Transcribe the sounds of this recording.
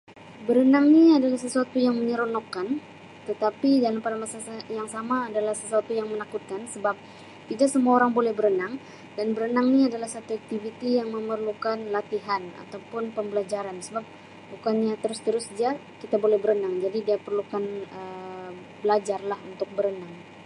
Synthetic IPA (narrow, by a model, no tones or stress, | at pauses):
bəɾənaŋniadalahsəsuat̪ujaŋməɲəɾonokːan | t̪ət̪apidalampadamasasajaŋsamaːdalahsəsuat̪ujaŋmənakut̪̚kansəbap̚ | t̪idaksəmuaoɾaŋbolɛhbəɾənaŋ | danbəɾənaŋniadalahsat̪uak̚t̪ivit̪ijaŋməmərlukanlat̪iɦana̰t̪awpʊnpəmbəlad͡ʒaɾansəbap̚ | bukanɲat̪əɾʊst̪əɾʊsdia | kit̪abolɛhbəɾənaŋd͡ʒadidiapərlukanə | bəlad͡ʒarlahunt̪ʊk̚bəɾənaŋ